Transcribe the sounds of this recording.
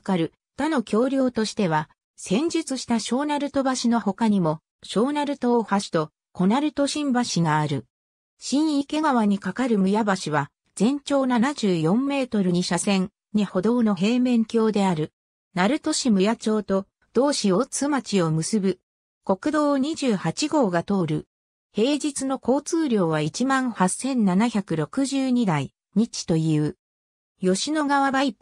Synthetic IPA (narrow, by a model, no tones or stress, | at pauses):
kaɾɯ̟ | t̪ano̞kʲʰo̞ːɾʲjo̞ːt̪o̞ɕi̥t̪e̞β̞a | sẽ̞ɲ̟d͡ʑɨt͡sɨɕi̥t̪aɕo̞ːnaɾɯ̟t̪o̞baɕino̞ho̞kaɲ̟imo̞ | ɕo̞ːnaɾɯ̟t̪o̞ːhaɕi̥t̪o̞ | ko̞naɾɯ̟t̪o̞ɕĩmbaɕiɡaːɾɯ̟ | ɕĩɰ̃ike̞ɡaβaɲ̟ikakaɾɯ̟mɯ̟jabaɕiβa | z̥ẽ̞ɲt͡ɕo̞ːnanaʑɨːjõ̞mːe̞ːt̪o̞ɾɯɲ̟iɕasẽ̞ŋ | ɲiho̞d̪o̞ːno̞ɦe̞ːmẽ̞ŋkʲo̞ːd̪e̞aɾɯ̟ | naɾɯ̟t̪o̞ɕimɯ̟jat͡ɕo̞ːt̪o̞ | d̪̥o̞ːɕio̞t͡sɨmat͡ɕio̞mɯ̟sɨbɯ̟ | ko̞kɯ̟d̪o̞ːɲ̟iʑɨːhat͡ɕiɡo̞ːɡat̪o̞ːɾɯ̟ | he̞ːd͡ʑit͡sɨno̞ko̞ːt͡sɨːɾʲo̞ːβait͡ɕimãɰ̃hasːẽ̞nnanaçʲakɯ̟ɾo̞kɯ̟ʑɨːɲ̟id̪ai | ɲ̟it͡ɕi̥t̪o̞jɯː | jo̞ɕino̞ɡaβabai